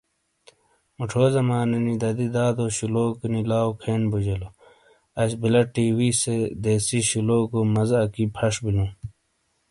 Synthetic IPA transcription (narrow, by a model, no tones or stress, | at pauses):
muʈʰoːzɐmaːninid̪ɐd̪id̪aːd̪oːɕuloːkinilaːokʰeːnbud͡ʑɐlo | ɐɕbilɐʈiːwised̪eːsiɕuloːkomɐzɐkipʰɐʂbilũ